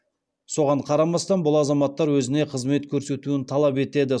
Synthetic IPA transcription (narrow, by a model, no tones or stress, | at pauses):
so̞ʁɑɴqʰɑɾɑmɑst̪ɑnbʊlˠɑzɑmɑt̪ːɑɾwɵzɪne̞qʰəzme̞t̪kʲʰɵɾse̞t̪uɪnt̪ʰɑlˠɑpe̞t̪e̞d̪ɪ